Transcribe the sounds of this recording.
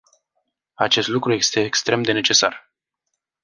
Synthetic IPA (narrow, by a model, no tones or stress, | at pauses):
at͡ʃe̞st̪lukɾuje̞st̪e̞ːkst̪ɾe̞md̪e̞ne̞t͡ʃe̞sa̰r